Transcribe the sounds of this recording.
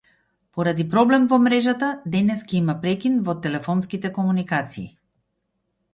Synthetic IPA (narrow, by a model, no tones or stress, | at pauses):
pɔɾad̪ipɾɔblɛmvɔmɾɛʒat̪ad̪ɛnɛskaimapɾɛkʲinvɔt̪ɛlɛfɔnskit̪ɛkɔmunikat̪siː